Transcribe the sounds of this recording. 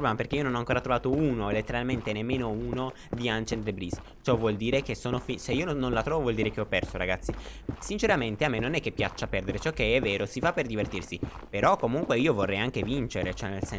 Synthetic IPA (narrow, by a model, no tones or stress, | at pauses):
ɾblɛmaperkeijononɔaŋkoːɾat̪ɾovaːt̪ouːnoelet̪ːeɾalment̪enemːeːnouːno | d̪iant͡ʃend̪ɾebɾis | t͡ʃɔvwɔld̪iːɾekesːoːnofiseiːononlat̪ɾɔːvovwɔld̪iːɾek̟eɔpːɛrsoɾa̰ɡat̪sːisint͡ʃeɾament̪eamːenːonɛkːepːjat͡ʃːapɛrd̪eɾet͡ʃɔkːeɛvːeːɾosifapːerd̪ivert̪irsi | peɾɔkːomuŋkweiːovorːɛjaŋk̟evint͡ʃeɾet͡ʃɛnelsɛ